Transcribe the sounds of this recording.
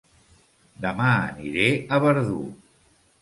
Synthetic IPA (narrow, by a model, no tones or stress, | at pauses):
d̪əmaəniɾeəβəɾðṵ